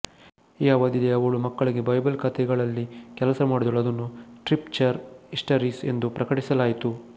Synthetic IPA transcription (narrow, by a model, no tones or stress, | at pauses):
ijaːʋaːd̪id̪eɐʋɐɭumɐkːɐɭiɡe̞bɐjbɐlkɐt̪ʰɛɡɐɭɐlːikɛlɐsɐmaːɽud̪uɭɐd̪ɐnːusʈɾipt͡ʃɐɾisʈɐɾise̞nd̪upɾɐkɐʈisɐlaːjit̪u